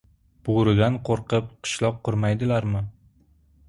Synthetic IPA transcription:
b̥ʊɾɪd̪anqʰoɾqɨp̚qʰɨ̥ʃlˠɒq̚qʰːʊɾmajd̪ɪlaɾmɪ

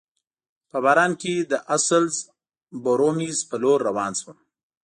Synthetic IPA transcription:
pəbɑːɾɑːnked̪əʔasəlz | boɾomizpəloɾːawɑːnswəm

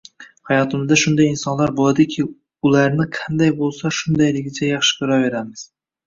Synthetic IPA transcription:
hajɒt̪ʰɪmɪzd̪aʃʊnd̪ajɪnsɒnlaɾbolˠad̪ɪkʲʰɪ | ʊlˠaɾnɪqʰand̪ajbolˠsaʃʊnd̪ajlɪɡʲɪt͡ʃʰajɑχʃɪ̥kɪɾɒve̞ɾamɪz̥

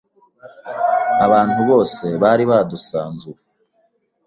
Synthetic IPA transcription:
aβaːnhuβo̞ːse̞βaɾiβadusaːnzuwe

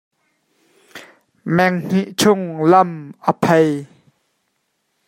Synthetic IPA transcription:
mɛŋŋ̥iʔt͡sʰʊŋlɐmʔəpʰej

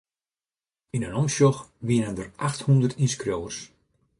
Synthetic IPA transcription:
inənɔmsjɔxʋiənəndərʔaxthundərtinskroːərs

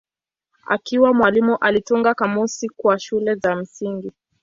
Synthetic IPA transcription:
a̰kiwamwalimuʔalituŋɡakamusikwaʃulɛzam̩siŋɡi

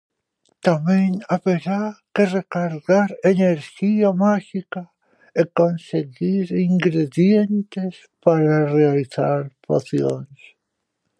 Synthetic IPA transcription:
t̪amẽŋaβeɾakerekaɾɣaɾeneɾʃiamaʃika | ekonseɣiɾiŋɡɾeðjent̪es | paɾarealiθaɾpoθjoŋs

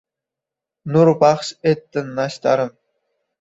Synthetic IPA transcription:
nurpɑχɕet̪ːɘ̆nːɑɕt̪ɑ̰ɾɤ̆m

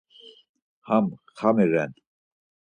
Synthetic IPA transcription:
hamχamiɾɛnt̪

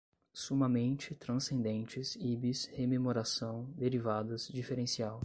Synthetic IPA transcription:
sumɐmẽnt͡ʃɪt̪ɾɐ̃sẽnd̪ẽnt͡ʃɪsibishememoɾasɐ̃w̃d̪eɾivad̪ɐzd͡ʒifeɾẽsiaw

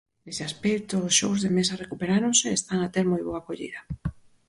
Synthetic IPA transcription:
neseaspekt̪oːsʃowzðemesarekupeɾaɾoŋseːst̪aŋat̪eɾmojβoakoʎḭðɐ

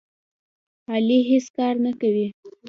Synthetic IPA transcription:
ɑliɦeskɑɾnakawi

